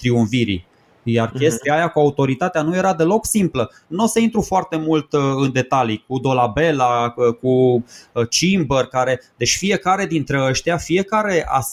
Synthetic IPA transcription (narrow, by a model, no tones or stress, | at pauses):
t̪ɾiuɱfiɾḭ | jarkʲe̞st̪eiajakuaut̪o̞ɾit̪at̪eanuje̞ɾad̪e̞lo̞ksimplə | no̞seint̪ɾufoart̪e̞mult̪ɨnd̪e̞t̪alikud̪o̞labe̞laku | t͡ʃimbərkaɾe̞d̪e̞t͡ʃʲfije̞kaɾe̞d̪int̪ɾeəʃt̪iafie̞kaɾe̞ʔa̰s